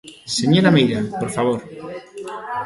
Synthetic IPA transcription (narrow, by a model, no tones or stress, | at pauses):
seɲoɾamejɾapoɾfaβoɾ